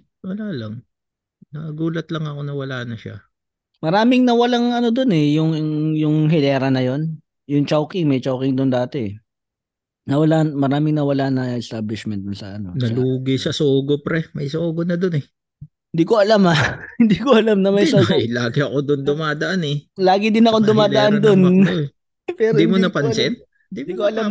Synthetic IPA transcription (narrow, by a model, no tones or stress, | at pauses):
wɐlaːlaŋ | nɐɡuːlɐt̪lɐŋɐko̞nɐwɐlaːnɐʃa̰ | mɐɾaːmɪŋnɐwɐlaŋɐno̞d̪o̞nɛjʊŋŋjʊŋɦɪlɛːɾɐnɐjo̞n | jʊŋt͡ʃawkɪŋmɐjt͡ʃawkɪŋd̪ʊnd̪aːt̪ɛɛ | nɐwɐlamɐɾaːmɪŋnɐwɐlanɐʔɛst̪aːblɪʃmɛnt̪̚d̪ʊnsɐɐno̞̰nɐluːɡɪsɐsoːɡopɾɛmɐjsoːɡonɐd̪onɛ | hɪnd̪iːko̞ʔɐlamahɪnd̪iːkoɐlamnɐmɐjsjlaːɡɪɐkod̪ond̪ʊmaːd̪ɐʔanɛlaːɡɪd̪ɪnɐkod̪ʊmaːd̪ɐʔand̪on | pɛːɾnod̪imonɐpɐnsɛn̚ | ɪnd̪id̪ikoʔɐlam